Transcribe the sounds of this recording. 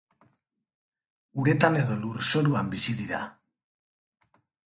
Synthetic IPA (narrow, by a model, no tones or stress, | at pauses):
uɾe̞t̪ane̞ðo̞luɾso̞ɾuambisiðiɾa̰